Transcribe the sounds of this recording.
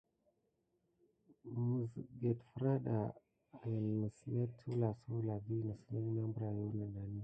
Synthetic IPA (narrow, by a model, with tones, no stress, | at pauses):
mu˨zɡe˨tfɾa˦ɗa˨ | mə˨sle˦tʰu˦la˨su˦la˨ɡi˦nə˨sla˦na˦mbɾa˨ju˦na˨na˨ni˦